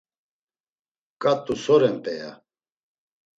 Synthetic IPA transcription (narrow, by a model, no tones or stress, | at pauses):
kʼat̪ʼusɔɾɛnp̪ʼɛja̰